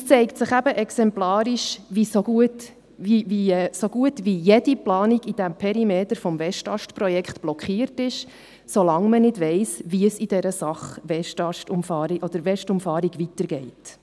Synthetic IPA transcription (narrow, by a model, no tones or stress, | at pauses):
əst͡sɛɪktsəχæbəʔɛksɛmplɑːɾiʃʋisoɡuət | iviɛsoɡ̥uətvijɛd̥iplɑːniɡ̥id̥̪æmpʰɛɾimeːtəɾfɔmvɛʃtɑʃtpɾɔjɛkχt̪b̥lɔkχiːərtɪʃ | solɑŋmənɪdʋɛɪsʋiəsid̥ɛɾəsɑχʋɛʃtɑʃtʊmfɑːɾiʔɔd̥̪əɾʋɛʃtʊmfɑːɾiɡ̥ʋitəɾɡɛɪt